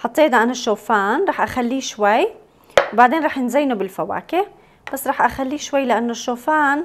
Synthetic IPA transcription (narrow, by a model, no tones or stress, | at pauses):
ħɑt̪ˤːeːd̪ʕanaʃːoːfaːnɾˤɑːħʔaxalːiːʃwaj | wbaʕd̪eːnɾˤɑːħjɪnzajnobɪlfawa̰ːkɪʔ | b̥asːɾˤɑːħʔaxalːiːʃwajːlɪʔanːoʃːoːfaːn